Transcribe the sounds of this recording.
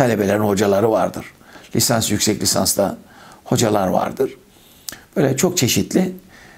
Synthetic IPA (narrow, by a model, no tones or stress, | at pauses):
alʲebe̞lʲeɾinho̞d͡ʒalˠaɾɯvaɾd̪ɯɾ̥lʲisansjycsɛclʲisa̰nst̪aho̞d͡ʒalˠaɾva̰ɾd̪ɯɾ̥ | b̥øjlʲɛt͡ʃʰo̞k̚t͡ʃʰe̞ʃit̪ʰlʲɪ